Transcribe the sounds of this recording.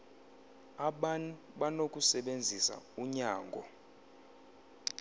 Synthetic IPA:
aɓan | ɓanokʼusɛɓend͡zʱisa̰uɲaːŋɡʱɔ

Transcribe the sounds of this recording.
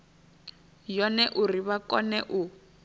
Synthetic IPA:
jɔnɛʔuriβakɔnɛʔu

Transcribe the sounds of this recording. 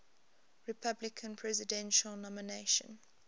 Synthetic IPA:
ɹɪpʰablɪkʰə̃npʰɹɛzɪdɛ̃nʃəlnɔmɪneʃə̰̃n

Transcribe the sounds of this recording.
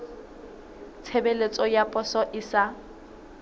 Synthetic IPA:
t͡sʰebelet͡sʼɔjapʼɔsɔʔɪsa

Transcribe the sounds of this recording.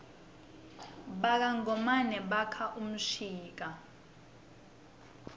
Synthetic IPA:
ɓak̬aŋɔmanɛɓakʰaʔum̩ʂiːk̬a

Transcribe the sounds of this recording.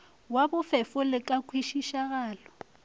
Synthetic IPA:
wabʊfɪfʊlɪkʼakʰwiʃiʃaɣaːlɔ

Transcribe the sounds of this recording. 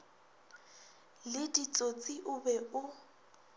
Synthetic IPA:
lɪdit͡sʼot͡sʼiʔʊbɛʊ

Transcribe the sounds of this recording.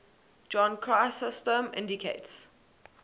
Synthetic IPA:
d͡ʒɔ̃nkʰɹaɪsɪstə̃mɪ̰̃ndikʰḛɪts

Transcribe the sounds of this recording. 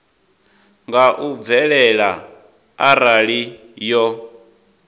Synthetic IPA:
ŋɡaʔub̪vɛɺɛɺa | aɾaɺi | jɔ

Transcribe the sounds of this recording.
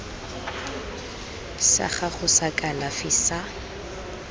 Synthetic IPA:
sa̰χaχʊsakʼalafɪsa

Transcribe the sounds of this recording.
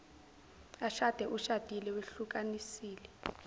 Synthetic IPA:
aʃad̥ʱɛʔuʃad̥ʱilɛweɬukʼanisiːlɛ

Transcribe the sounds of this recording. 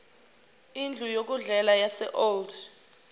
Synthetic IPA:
ind͡ɮʱujok̬uɮɛlajasɛ̰ʔold

